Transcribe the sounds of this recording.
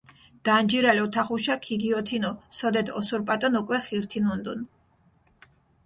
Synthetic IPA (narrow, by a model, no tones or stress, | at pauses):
d̪̥and͡ʒiɾalɔt̪ʰaχuʃakʰiɡiɔt̪ʰinɔsɔd̪ɛt̪ʰɔsuɾpʼat̪ʼɔnukʼwɛχiɾt̪ʰinɔnd̪ɔn